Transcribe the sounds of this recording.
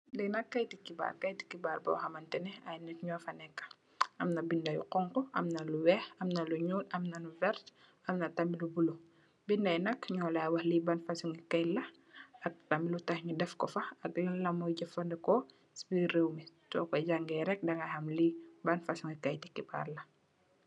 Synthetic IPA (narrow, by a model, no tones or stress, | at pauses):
linɐkːɐjtikːiba̰ːrkɐjti̥kːibaːrbɔ̰wxɐmɐntɛnɛɐjnɛtɲɔfɐnɛkːɐ̥ | ʔɐmnɐbindɐjṵqɔŋkɔʔɐ̰mnɐluwɛːhɐmnɐluɲulɐmnɐluvɛrt | ɐmnɐtɐmilubulu | bindɐjnɐkɲɔːlɐːwɐhlibɐnfɐsuŋɡikɐjlɐ | ɐk̚tɐmilutɐxɲudɛfkɔfɐɐklɐlɐmɔjɟɐfɐndɐkɔ | spirewmitɔ̰kɔɟaŋɡɛːɾɛk̚dɐŋɡɐhɐmlibɐnfɐsuŋikɐjtikːiba̰ːrlɐ